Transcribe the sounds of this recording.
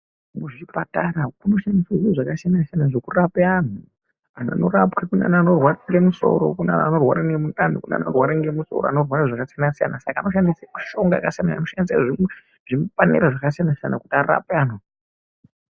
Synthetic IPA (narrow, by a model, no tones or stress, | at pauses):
muʐiipataɾakuno̞ʃandiseʐiʐakasijanasijanaʐokurapean̤u | ana̰noɾapkekuna̰naano̞rwaɾiŋɡe̞muso̞̰ɾo̞̰kuna̰nano̞rwaɾaŋɡemutʼanukuna̰no̰rwaɾiŋɡemuso̰roano̞rwaɾaʐakasijanasija̰nasakaːno̞ʃandiseku̥ʃo̞ŋɡakasijanaanoʃandis̬aʐi | ʐimpanḛɾaʐakasijanasija̰nakutiara̰peaːnu